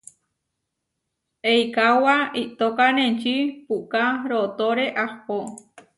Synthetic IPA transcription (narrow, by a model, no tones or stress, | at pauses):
ejkawait̪okanẽnt͡ʃipukaɾot̪oɾeʔapo